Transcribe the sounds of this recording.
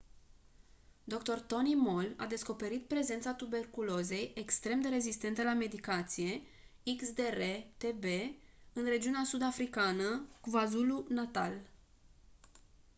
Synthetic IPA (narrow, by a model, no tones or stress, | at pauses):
d̪o̞kt̪o̞rt̪o̞nimo̞la̰d̪e̞sko̞pe̞ɾit̪̚pɾe̞ze̞nt̪sat̪ube̞rkulo̞ze̞jekst̪ɾe̞md̪e̞ɾe̞zist̪e̞nt̪əlame̞d̪ikat̪sije̞ | iksd̪e̞ret̪e̞be̞ɨnre̞d͡ʒiuneasud̪afɾikanəkuvazulunat̪a̰l